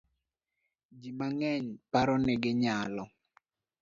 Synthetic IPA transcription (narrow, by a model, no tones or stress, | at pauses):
d͡ʒimaŋɛɲpaɾɔnɪɡɪɲalɔ